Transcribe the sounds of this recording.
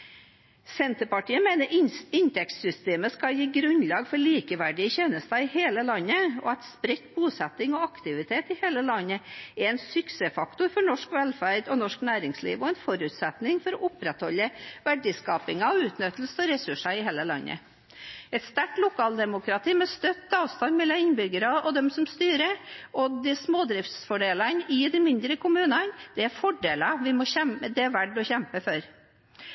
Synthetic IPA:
sɛnt̪əpɑʈiːəmeːnəɾɪnt̪ɛkt̪sʏst̪eːməskɑljiːɡɾʉnlɑːɡfɔɭiːkəʋæɖɪəçeːnəst̪ɑɪheːləlɑnːəɔ̰æt̪spɾɛt̪buːsɛt̪ːɪŋɔɑkt̪ɪʋɪt̪ʰeːt̪ɪheːləlɑnːəɛɾɛnsʏksɛfɑkt̪ʊɾfɔɳɔʂkʋɛlfæɾd̪ɔnɔʂknæːɾɪŋslḭːʋɔɛnfɔɾʉt̪sɛt̪nɪŋfɔɾɔʔʊpɾɛt̪hɔlːəʋæɖɪskɑːpɪŋɑɔʉːt̪nʏt̪l̩səɔɾɛsʉʂɑɪɦeːləlɑ̰nːʔə̰ | ɛt̪st̪æʈlʊkʰɑːld̪ɛmʊkɾɑt̪ʰiːmɛst̪œt̪ːɑːʋst̪ɑnmɛlːɑɪnbʏɡəɾɑɔd̪ɛmsɔmst̪yːɾəɔd̪ɪsmoːd̪ɾɪft̪sfɔɖeːlɑnɪd̪ɪmɪnd̪ɾəkʰʊmʉːnɑnd̪̥ɛæɾfɔɖeːlɑʋɪmɔçɛmd̪ɛæʋæɖːɔçɛmpəfɔɾ

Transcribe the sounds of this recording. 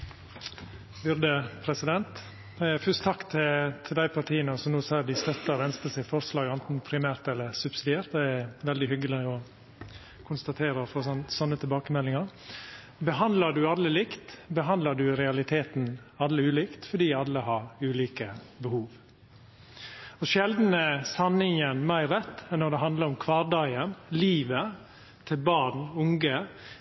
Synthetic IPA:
bʉɾd̪əpʰɾɛsɪd̪ɛnt̪ | fʉst̪t̪ʰɑkt̪ʰɪt̪ʰɪld̪æɪpʰɑʈʰiːənəsɔmnoːsɑːd̪ɪst̪œt̪ːəɾɛnst̪əsɪfɔɾslɑːɡɛnt̪n̩pʰɾɪmæːɾt̪ɛlːəɾsʉbsɪd̪ɪeːɾt̪d̪ɛɛɾʋɛld̪ɪɦʏɡəlɪɔ | kʰʊnst̪ɑt̪ʰeːɾəfɔsɔnsɔnːət̪ʰɛbɑːkəmɛlːɪŋɑɾ | bəɦɑnd̪ləɖʉɑlːəlɪkt̪bəɦɑnd̪ləɖʉɾɛɑlɪt̪ʰeːt̪n̩ɑlːəʉːliːkt̪fɔɖiːɑlːəhɑɾʉːliːkəbəhuːʋ | ɔʃɛld̪n̩əsɑnɪŋənmæɪɾɛt̪ːɛnːɔɾd̪ɛɦɑnd̪ləɾɔmkʰʋɑːɖɑɪənliːʋə | t̪ʰɪlbɑɳʊŋɡə

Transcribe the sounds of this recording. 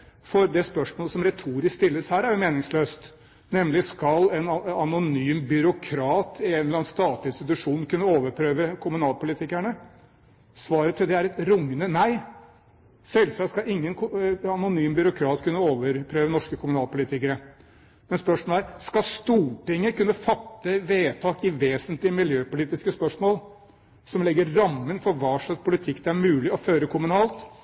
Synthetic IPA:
fɔɾd̪ɛspœʂmoːləsɔmɾɛt̪ʰuːɾɪskst̪ɪlːəshæːɾæɾjʊmeːnɪŋsløːst̪ | nɛmlɪskɑlɛnɑnʊnyːmbʏɾʊkʰɾɑːt̪ʰɪɛnlɑːnst̪ɑːt̪lɪɪnst̪ɪt̪̬ʉʂuːnnkʰʉnːəoːʋəɾpʰɾøːʋəkʰʊmʉnɑːlpʊlɪt̪ɪkæɳə | sʋɑːɾət̪ʰːɪld̪ɛæɾɛt̪ɾʊŋːənənæɪ | sɛlsɑskɑɪŋːənkɑnʊnyːmbʏɾʊkʰɾɑːt̪kʰʉnːəoːʋəɾpʰɾøːʋənɔʂkəkʰʊmʉnɑːlpʊlɪːt̪ɪkəɾə | mɛnspœʂmɔːlæɾskɑst̪uːʈɪŋːəkʉnːəfɑt̪ːəʋeːt̪ʰɑːkɪʋeːsənt̪lɪəmɪljøːpʊliːt̪ɪskəspœʂmoːl | sɔmlɛɡːəɾɾɑmːənfɔɾʋɑːʂɑspʰʊlɪt̪ʰɪkːd̪ɛæɾmʉːlɪɔføːɾəkʰʊmʉnɑːlt̪

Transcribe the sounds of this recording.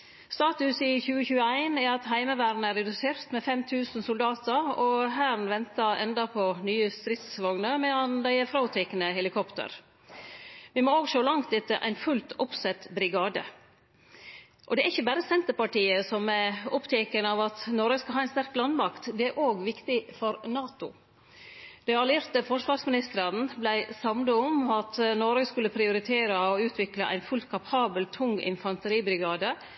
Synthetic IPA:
st̪ɑːt̪ʉsɪçʉːəçʉːəæɪnæɾɑt̪hæɪməʋæːɾn̩æɾɛd̪ʉseːɾt̪mɛfɛmt̪ʰʉːsn̩sʊld̪ɑːt̪əɾɔɦæːɾnʋɛnt̪ɑʔɛ̰nd̪ɑpʰɔnyːəst̪ɾɪt̪sʋɑŋnəmɛɑnd̪æɪəfɾɑʊt̪ʰɛkənəɦɛlɪkʰɔpt̪ə̰ɾ | ʋɪmooːɡʃoːlɑŋt̪ɛt̪ːəʔæ̰ɪnfʉlt̪ʊpsɛt̪ːbɾɪɡɑːd̪ə̰ | ʔɔd̪ɛæɾɪçːəbæːɾəsɛnt̪əɾpɑʈiːəsɔmæʊpt̪ʰɛkənɑʋɑt̪nɔɾɡəskɑɦɑːɛɪnst̪æɾk̚lɑnd̪mɑkt̪d̪ɛæɾʔoːɡʋɪkt̪ɪfɔɾnɑːt̪ʊ | d̪̥ɛɑlɪɾt̪əfɔʂʋɑːɾsmɪnɪst̪əɾɑn̩blæɪsɑmnd̪əɔmɑt̪nɔɾɡəskʉlːəpʰɾɪʊɾɪt̪ʰeːɾəɔʉːt̪ʰʋɪklɑʔæ̰ɪnfʉlt̪̚kʰɑpʰɑːbəlt̪ʰʊŋɪ̰nfɑnt̪əɾiːbɾɪɡɑːd̪ə

